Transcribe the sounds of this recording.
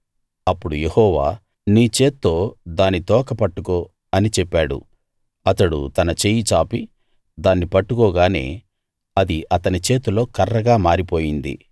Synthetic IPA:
ɐpːuɽuje̞hɔːʋa̰ː | niːt͡ʃe̞ːt̪ːo̞ːd̪aːnːit̪ɔːkɐpɐʈːukoː | ɐnit͡ʃɛpːaːɽṵ | ɐt̪ɐɽṵt̪ɐnɐt͡ʃejit͡ʃaːpi | d̪aːnːipɐʈːukoːɡaːne̞̰ː | ɐd̪iɐt̪ɐnit͡ʃe̞ːt̪ulo̞ːkɐrːɐɡaːmaːɾipo̞ːjind̪ḭ

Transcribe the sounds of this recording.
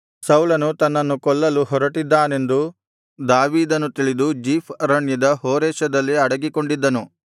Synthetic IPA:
sɐwlɐnut̪ɐnːɐnːukɔɭːɐluɦɔɾɐʈid̪ːaːne̞nd̪u | d̪aːʋiːd̪ɐnːut̪iɭid̪ud͡ʒiːpʰɾɐɳjɐd̪ɐɦoːɾɛːʃɐd̪ɐlːiɐɽɐɡiko̞ɳɖid̪ːɐnu

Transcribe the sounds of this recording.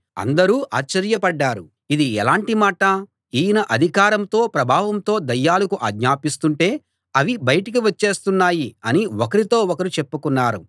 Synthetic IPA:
ɐ̰nd̪ɐɾuːʔa̰ːt͡ʃt͡ʃːɐɾjɐpɐɖːaːɾu | id̪iɛlaːɳʈimaːʈɐ | iːjnɐʔɐd̪ʱikaːɾɐmt̪o̞ːpɾɐbʱaːʋɐmt̪o̞ːd̪ɐjːaːlɐkuʔaːɡɲaːpist̪uɳʈe̞ː | ɐʋibɐjɐʈikiʋɐt͡ʃːe̞ːst̪unːaːjiɐniokɐɾit̪o̞ːokɐɾit͡ʃepːukunːaːɾu

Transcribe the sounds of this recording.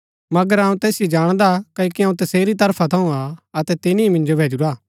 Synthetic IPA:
mɐɡəɾaːũt̪ɛːsɪjed͡ʒaːɽ̃d̪akɐkiɐ̃ũt̪ɐseːɾit̪̬ɐɾpʰat̪ʰɐ̃ũaɐt̪ɛt̪ɪniimɪ̃nd͡ʒobʱeːd͡ʒuɾaː

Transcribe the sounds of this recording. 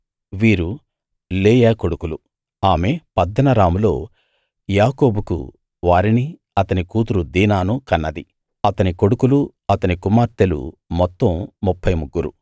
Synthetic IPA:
ʋiːɾu | leːjaːko̞ɽukulu | aːme̞pɐd̪ːɐnɐɾaːmulo̞̰ː | jaːko̞ːbukṵ | ʋaːɾini | ɐt̪ɐnikuːt̪uɾud̪iːnaːnukɐnːɐd̪i | ɐt̪ɐniko̞ɽukulu | ɐt̪ɐnikumaːɾt̪elṵmɔt̪ːɐmːupʰːɐjmuɡːuɾu

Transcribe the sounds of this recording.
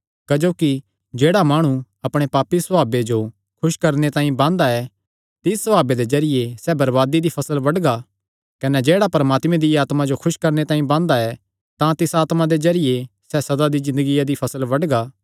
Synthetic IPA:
kɐd͡ʒoːki | d͡ʒeːɽamaːɽ̃ũ | ɐpɽ̃epaːpːisɐaːbed͡ʒo | kʰʊʃkɐɾnet̪ãːĩbãːnd̪aɛ | t̪ɪsːɐbaːbed̪ezɐɾɪjesɛbɐɾʋaːd̪id̪ipʰɐsəlʋɐɽɡa | kɐnɛd͡ʒeːɽapɐɾəmaːt̪mẽd̪iaːt̪mad͡ʒokʰʊʃkɐɾnet̪ãːĩbãːnd̪aɛ | t̪ãt̪ɪsaːt̪mad̪ezɐɾɪjesɛsɐd̪ad̪izɪ̃nd̪əɡijad̪ipʰɐsəlʋɐɽɡaː

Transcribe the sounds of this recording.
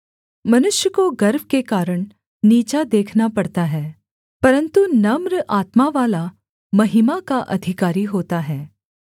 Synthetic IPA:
mɐnʊʃjəkoɡɐɾbʱkekaːɾəɽ̃ | niːt͡ʃad̪eːkʰnapɐɽt̪aɦɛː | pɐɾə̃nt̪unɐmɾʔaːt̪maʋaːla | mɐɦɪmakaʔɐd̪ʱɪkaːɾiɦoːt̪aɦɛː

